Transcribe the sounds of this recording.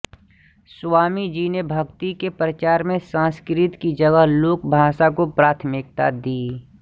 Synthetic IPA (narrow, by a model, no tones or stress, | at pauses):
swaːmid͡ʒiːnebʱɐɡt̪ikepɾət͡ʃaːɾmẽsãːskɾɪt̪kid͡ʒəɡəɦloːkbʱaːʃakopɾaːt̪ʰmɪk̚t̪ad̪iː